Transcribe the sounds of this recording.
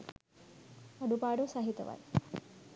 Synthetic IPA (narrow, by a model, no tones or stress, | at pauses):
ɐɖupaːɽosaɦit̪ɐʋa̰j